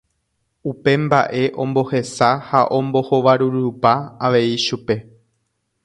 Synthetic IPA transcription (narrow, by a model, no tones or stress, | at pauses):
upe̞mba̰ʔe̞ʔõ̞mbo̞he̞sahaʔõ̞mbo̞ho̞ʋaɾuɾupaaʋe̞iʃupe̞